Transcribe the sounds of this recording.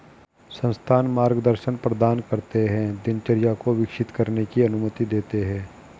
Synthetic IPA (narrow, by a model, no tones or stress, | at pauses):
sə̃nst̪ʰaːnmaːɾɡd̪əɾʃənpɾəd̪aːnkɐɾt̪eɦɛ̃d̪ɪnt͡ʃəɾɪjakoʋɪkʃɪt̪kɐɾnekiɐnʊmət̪id̪eːt̪eɦɛ̃ː